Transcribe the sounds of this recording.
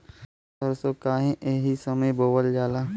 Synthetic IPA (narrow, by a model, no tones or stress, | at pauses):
sɐɾsoːkaːɦẽʔeːɦisɐməjboːbəld͡ʒaːlaː